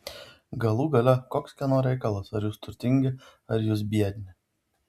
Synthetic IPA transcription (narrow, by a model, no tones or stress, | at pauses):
ɡɐlˠuːɡɐlʲɛkoːkskʲɛnoːɾʲɛɪkɐlˠɐsɐɾjuːst̪ʊɾʲt̪ʲɪŋʲɡʲɪɐɾjuːsbʲiɛd̪ʲnʲɪ